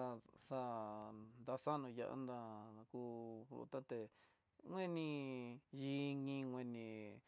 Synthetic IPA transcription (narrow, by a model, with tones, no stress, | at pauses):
a˧sa˦˧nd̪a˧sa˦nũ˧ja̰˧ʔa̰˧˦nd̪a˧ku˧ɾṵ˧t̪a˦t̪e˧ | ŋʷwẽ˦nĩ˧ji˧˦ŋĩ˧ŋʷwẽ˧nĩ˧